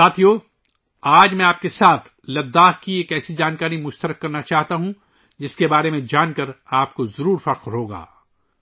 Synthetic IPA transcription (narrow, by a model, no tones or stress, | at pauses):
saːt̪ʰijoː | aːd͡ʒmɛ̃aːp̚kesaːt̪ʰ | lɐd̪ːaːɦkieːkɛːsid͡ʒaːnkaːɾimʊʃt̪əɾəkːɐɾnat͡ʃaːɦt̪aɦũ | d͡ʒɪskebaːɾemẽd͡ʒaːnkɐɾaːp̚kozɐɾuːɾfɐɾqɦoːɡa̰ː